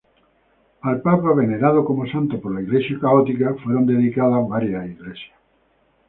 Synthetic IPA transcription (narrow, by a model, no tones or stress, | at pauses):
alpapaβeneɾað̞okomosãnt̪opoɾlaiɣlesjakaot̪ikafweɾond̪eðikaðaβaɾjaiɣlesja